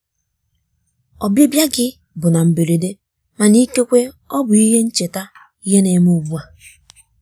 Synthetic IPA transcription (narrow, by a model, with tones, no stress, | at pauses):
ɔ˨be˦bja˦ɡɪ˦ | bʊ˨na˨m̩˨be˨ɾe˨de˦ | ma˨ni˦ke˦kʷe˦ | ɔ˦bʊ˨i˦ɦe˦n̩˦t͡ʃe˨ta˦ | i˦ɦe˦ne˨m˦u˨ɡ͡bu˦a˨